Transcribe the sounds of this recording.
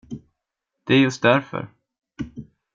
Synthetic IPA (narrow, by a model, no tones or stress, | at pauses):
d̪̥ɛæɾjɵst̪̚d̪æɾfœ̰ɾ